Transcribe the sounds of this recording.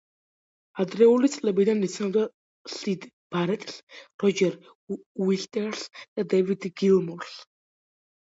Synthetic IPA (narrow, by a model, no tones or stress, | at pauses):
ad̪ɾɛulit̪sʼlɛbid̪anit̪sʰnɔvd̪a | ɬid̪ | b̥aɾɛt̪ʼɬɾɔd͡ʒɛɾ | wiɬt̪ʼɛɾsd̪̥ad̪ɛvid̪ɡilˠmɔɾs